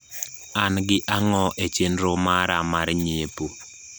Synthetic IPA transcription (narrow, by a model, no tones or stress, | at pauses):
anɡɪʔaŋɔʔet͡ʃenɾomaɾamaɾɲepo